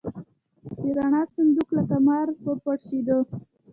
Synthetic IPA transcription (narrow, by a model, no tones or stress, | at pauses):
iɾaɳɑsand̪uklakamɑɾpəpaɽʃid̪ə